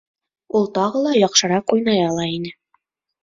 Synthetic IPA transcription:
ulˠt̪ɑʁɤlˠɑjɑqʃɤ̆ɾɑqujnɑjɑlˠɑinɘ

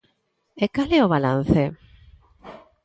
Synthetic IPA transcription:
ekaleoβ̞ala̰n̟θe

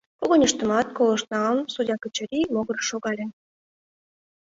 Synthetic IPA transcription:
koɣonʲə̆ʃt̪ə̆mɑt̪̚kolˠɤ̆ʃnɑlnsudʲɑkə̆t͡ɕə̆ɾʲimoɣɤ̆rʃoɣɑlʲe

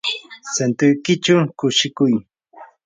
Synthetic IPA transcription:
sent̪ʊjkɪt͡ʃawkʊʃɪkʊj

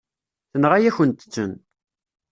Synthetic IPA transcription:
θənʁæjæçənt̪ə̥t͡sːə̰n

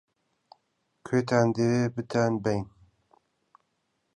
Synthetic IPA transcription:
kʰeːt̪ʰaːnd̪evebɨt̪ʰanbɛjn

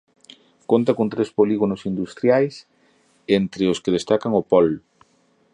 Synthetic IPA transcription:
kont̪akont̪ɾespoliɣonʊsind̪ust̪ɾjajs | ent̪ɾɪoskɪðest̪akaŋopɔl

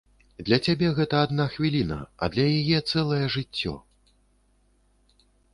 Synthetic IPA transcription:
d̪lʲɐt͡sʲabʲɛɣɛt̪ɐad̪naxvʲilʲinɐ̰ɐ̰d̪lʲɐjajɛt̪sɛlˠɐjɛʐɨt͡sʲːɔ̰

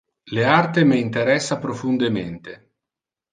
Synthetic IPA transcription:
leart̪emeint̪eɾɛsːapɾofund̪emḛnt̪e

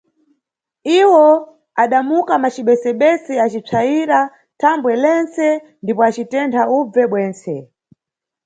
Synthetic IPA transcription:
iwɔ | aɗamukamat͡ʃiɓɛsɛɓɛsɛat͡ʃip͡ʂʰaiɾa | tʰambwɛlɛnt͡sɛ | ndipɔat͡ʃitɛntʰaub͡vɛɓwɛːnt͡sɛ

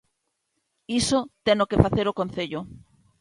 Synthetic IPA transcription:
isot̪enokefaθeɾokon̟θeʎʊ

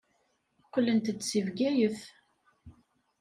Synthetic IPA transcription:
kʷːəlːənt̪d̪sivɡæjəθ

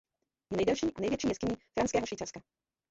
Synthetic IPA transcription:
jɛnɛjdɛlʃiːʔanɛjvjɛt͡ʃʃiːjɛskɪɲiːfɾanskɛːɦoʃviːt͡safska

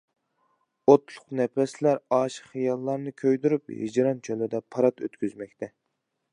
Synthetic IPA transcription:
ot̪lˠʊqnɛpɛslæɾɑːʃə̥χχijɑlˠːɑɾnɨkʲʰøjd̪yɾyphḭd͡ʒɾɑnt͡ʃʰølɪd̪ɛpʰɑɾɑt̪ø̰t̪kʲyzmɛkʲt̪ʰɛ

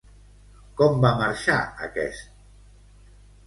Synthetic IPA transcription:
kɔmbamaɾʃaə̰kɛ̰st̪̚

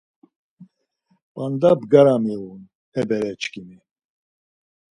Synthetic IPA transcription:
pʼand̪abɡaɾamiun | hɛbɛɾɛt͡ʃkimi

